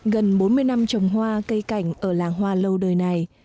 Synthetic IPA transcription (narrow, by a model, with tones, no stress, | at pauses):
ɣə˨˩nɓo˨˦nmɨ˧əjna˧mt͡ɕə˨˩wŋ͡mɦwaː˧kə˧jka˧˩jŋ̟ʔəː˧˩laː˨˩ŋɦwaː˧lə˧wɗəː˨˩jna˨˩j